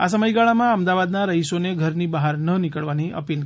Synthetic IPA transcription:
asəməjɡaɭamãəmd̪aʋad̪naɾəisoneɡʱəɾnibaɦaɾnənikəɭʋaniʔə̰pilk

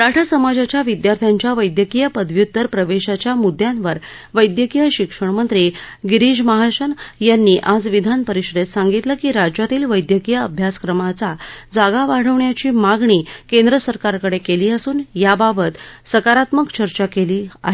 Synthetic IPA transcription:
ɾaʈʰasəmad͡ʑat͡ɕjaʋid̪jaɾt̪ʰjaɲt͡ɕjaʋəjd̪jəkijəpəd̪ʱʋjut̪ːəɾpɾəʋeɕat͡ɕjamud̪jãnʋəɾ | ʋəjd̪jəkijəɕikʂəɳmənt̪ɾiɡiɾid͡ʑməɦaɕənjanːiːʔad͡zʋid̪ʱanpəɾiɕɾet̪saŋɡit̪ləkiːɾad͡ʑat̪iːlʋəjd̪jəkijəəbʱjaskɾəmat͡sad͡zaɡaʋaɽ̤əʋɳjat͡ɕiːmaɡɳiːkẽnd̪ɾəsəɾkaɾkəɽekeliːəsuːnjababət̪səkaɾat̪məkt͡ɕəɾt͡ɕakeliːaɦe

